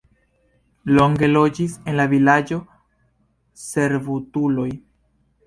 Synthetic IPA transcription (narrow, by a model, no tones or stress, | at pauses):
lo̞ŋɡe̞lo̞d͡ʒise̞nlavilad͡ʒo̞ | se̞ɾvutulo̞j